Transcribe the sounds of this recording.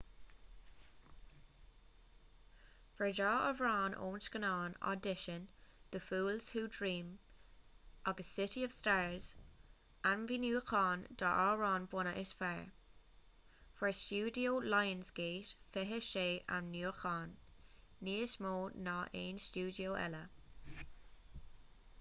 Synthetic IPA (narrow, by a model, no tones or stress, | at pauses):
fəɹdɑːʔəvɹɑːnʔo̰ːnsɡənɑːna̰dɪʃənd̪̥əfuːlz̥huːdɹiːm | aɡəsːɪtiɔv̥staːɹz̥ | anviːnjuːkʰɑːnd̥̪ɑʔaːɹɑːnvwɔnəʔɪsfɛɹ | fəɹst͡ʃuːdioːlajənzɡ̥eːtfɪɦəʃeːʔa̰nːuːxʰɑːnː | iːəsmoːnaːʔeːnst͡ʃuːdioːʔɛ̰lə